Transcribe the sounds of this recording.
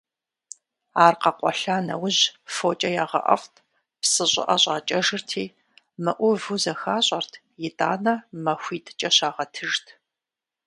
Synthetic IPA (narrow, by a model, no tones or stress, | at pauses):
aːrqɐqʷʼɔɬaːnɐ̰wʊʑfoːt͡ʃʼɐjaːʁɐ̰ʔɐ̰ftʰ | psɨɕʼɪ̰ʔɐɕʼaːt͡ʃʼɐʒɨrtʰiː | mɐʔʷʊvuzɐxaːɕʼɐrtʰ | jɪtʼaːnɐmɐxʷiːtʰʼt͡ʃʼɐɕaːʁɐtʰɨʒtʰ